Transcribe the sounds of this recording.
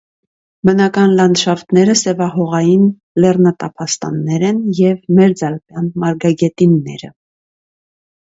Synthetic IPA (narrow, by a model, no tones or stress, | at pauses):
bənɑkɑnlɑnʃɑft̪ʰnɛɾəsɛvɑɦɔʁɑjin | lɛrnət̪ɑpʰɑst̪ɑ̰nːɛɾɛnjɛvmɛɾd͡zɑlpjɑnmɑɾɡɑɡɛt̪inːɛ̰ɾə̰